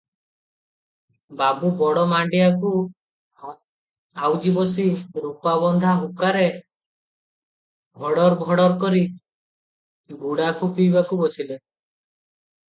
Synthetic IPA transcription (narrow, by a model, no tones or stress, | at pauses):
babubɔɽɔmaɳɖiaku | awd͡ʒibɔsiɾupabɔnd̪ʱaɦukaɾe | bʱɔɽɔɾbʱɔɽɔɾkɔɾi | buɽakʰupijbakubɔsile